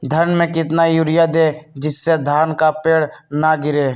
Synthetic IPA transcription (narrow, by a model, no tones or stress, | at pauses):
d̪ʱəɾnmẽkɪt̪najuːɾɪjad̪eːd͡ʒɪsːed̪ʱaːnkapeːɽnaɡɪɾeː